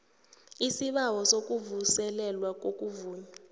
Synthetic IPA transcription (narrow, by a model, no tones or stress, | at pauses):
isiɓawɔsok̬ʼuvusɛlɛlwak̬ʼokʼuvuːɲa